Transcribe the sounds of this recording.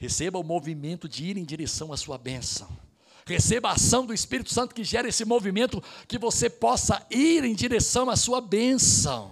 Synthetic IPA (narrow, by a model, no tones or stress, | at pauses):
hesebɐʊmovimẽnt̪ʊd͡ʒɪiɾẽj̃d͡ʒiɾesɐ̃w̃ɐsuɐbẽsɐ̰̃w̃ | hesebɐasɐ̃w̃d̪ʊɪspiɾit̪ʊ̥sɐ̃nt̪ʊ̥kɪʒɛɾɐesɪmovimẽnt̪ʊkɪvosepɔsɐiɾẽj̃d͡ʒiɾesɐ̃w̃ɐsuɐbẽsɐ̰̃w̃